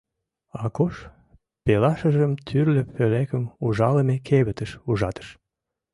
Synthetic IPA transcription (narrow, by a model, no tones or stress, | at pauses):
ɑkoʃ | pelɑʃəʒəmt̪ʰyrləfølekəmuʒɑləmekʰeβət̪ə̆ʃuʒɑt̪ə̥ʃ